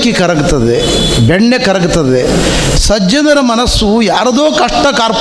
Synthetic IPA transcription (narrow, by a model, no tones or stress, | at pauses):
kikɐɾɐɡut̪ɐd̪e | beɳːekɐɾɐɡut̪ɐd̪e | sɐd͡ʒɐnɐɾɐmɐnɐsːujaːɾɐd̪oːkɐʂʈɐkaːɾp